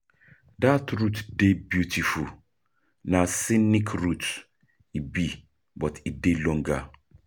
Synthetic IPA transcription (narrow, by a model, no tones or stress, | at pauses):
datɹutdebjutʰiful | nasinikʰɹut | ibi | bɔtʰidelɔ̃ŋɡa̰